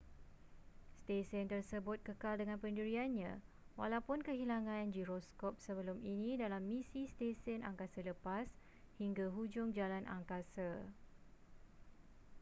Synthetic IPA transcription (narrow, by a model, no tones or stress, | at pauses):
st̪esənt̪ərsəbʊt̪̚kəkaldəŋãnpəndiɾianɲã | wa̰lawpʊnkəɦilaŋãnd͡ʒiɾɔskɔp̚səbəlʊminĩdalamːĩsist̪esənaŋkasaləpas | hiŋɡaɦud͡ʒʊŋd͡ʒalanʔa̰ŋkasa